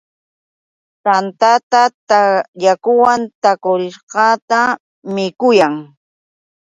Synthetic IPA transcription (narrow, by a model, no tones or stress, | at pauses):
t̪ant̪at̪at̪ajakʊwant̪akʊɾɪʃqɑt̪a | mɪkʊjaŋ